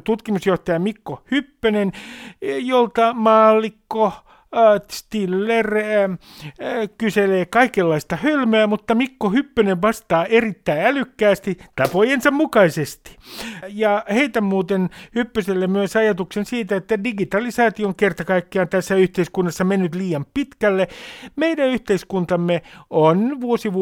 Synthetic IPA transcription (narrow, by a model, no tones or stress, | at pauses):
t̪ut̪kimusjoht̪ɑjɑmikːohypːønen | jolt̪ɑmɑːlːikːo | st̪ilːer | kyseleːkɑikelːɑist̪ɑhølmøæːmut̪ːɑmikːohypːøneʋʋɑst̪ɑːʔerit̪ːæiælykːæːst̪it̪ɑpojensɑmmukɑisest̪i̥jɑheit̪æmuːt̪enhypːyselːemmyøsɑjɑt̪uksensiːt̪æet̪ːædiɡit̪ɑlisɑːt̪ioŋkert̪ɑkɑikːeɑnt̪æsːæyht̪eiskunːɑsːɑmenːyt̪liːjɑmppit̪kælːemeidæyht̪eiskunt̪ɑmːeonʋuosiʋ